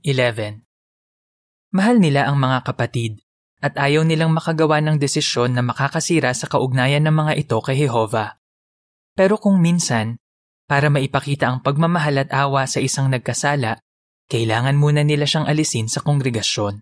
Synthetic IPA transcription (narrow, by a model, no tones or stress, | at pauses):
ʔɪlɛvɛn | mɐɦalnɪlaʔɐŋmɐŋakɐpɐt̪id̪̚ | ʔɐt̪̚ʔaːjɐwnɪlaŋmɐkɐɡɐwanɐŋd̪ɛsɪsjo̞nːɐmɐkaːkɐsiːɾɐsɐkɐʔʊɡ̚naːjɐnːɐŋmɐŋaʔɪt̪o̞kɐjhɛɦo̞vɐ | pɛːɾo̞kʊŋminsɐn | paːɾɐmɐʔɪpɐkiːt̪ɐʔɐŋpɐɡ̚mɐmɐɦalɐt̪̚ʔaːwɐsɐʔɪsaŋnɐɡ̚kɐsaːlɐʔ | kɐʔɪlaːŋɐnmuːnɐnɪlaʃaŋʔɐlɪsinsɐkoŋɡɾɛɡɐʃjo̞n